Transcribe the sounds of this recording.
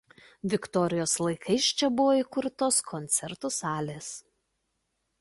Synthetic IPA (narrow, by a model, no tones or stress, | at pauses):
ʋʲɪkt̪ɔɾʲɪjoːslˠɐɪkʰɐɪʃt͡ʃʲɛbʊʋoːikʊɾt̪oːskʰɔnʲt̪sʲɛɾt̪usɑːlʲeːs